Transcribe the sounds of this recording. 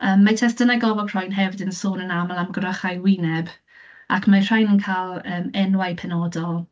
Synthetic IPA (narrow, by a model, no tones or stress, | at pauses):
əːmːatʰɛsd̥ənaɡɔvɔɡʰr̥ɔjnɦɛvɪdənsoːnənaməlˠamɡrəχajwɪnɛb | akʰmar̥ajnənkʰalˠəːmɛnwajpʰɛnɔdɔlˠ